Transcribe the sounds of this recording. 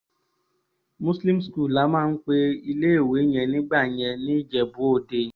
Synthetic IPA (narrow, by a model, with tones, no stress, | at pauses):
mu˦sli˦msku˦˨la˨˦ma˦ŋ̩˦k͡pe˦i˦le˦e˦˨we˨˦ɲe˨ni˦ɡ͡ba˦˨ɲe˧ni˦d͡ʒɛ˨bʊ˨˦o˦˨de˦